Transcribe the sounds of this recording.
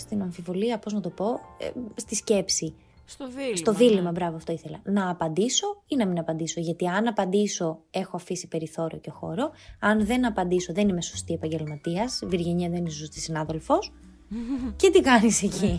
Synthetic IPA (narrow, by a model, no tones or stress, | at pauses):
st̪inɐɱfivo̞liɐpo̞znɐt̪o̞po̞̰st̪isce̞psi | st̪o̞ðilimɐbɾɐvoɐft̪o̞iθelɐnɐːpɐnd̪iso̞inɐminɐpɐnd̪iso̞ʝɐt̪iɐnɐpɐnd̪iso̞e̞xo̞ɐfisi̥pe̞ɾiθo̞ɾḭo̞ceoxo̞̰ɾo̞ɐnðe̞nɐpɐnd̪iso̞ðe̞nimesost̪ie̞pɐɲɟe̞lmɐt̪iɐzviɾʝeɲɐɐðeninsost̪isinɐðe̞lfo̞s | ce̞t̪ikɐnise̞ci